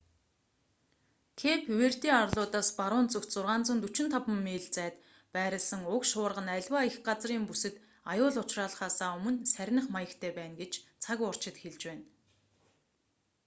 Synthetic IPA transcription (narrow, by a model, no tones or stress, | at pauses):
kʰepʰweːr̥t̪iːŋarɮʊːt̪aːspaɾʊːnt͡sɵkt̪t͡sʊrʁaːnt͡sə̆nt̪ut͡ɕɪ̆nt̪ʰapə̆mːeːɮt͡sæːt̪ | pæːɾʲɪ̆ɮsə̆ŋʊkʃʊːrʁə̆næɮʲwaːixɢat͡sriːŋpusɘ̆t̪ | ajʊːɮʊt͡ɕraːɮ̆χaːsaːɵmɵ̆nsæɾʲnə̆χmajə̆kt̪ʰeːpæːnɡet͡ɕt͡sʰakʊr̥t͡ɕɪ̆t̪xeɮt͡ɕpæːn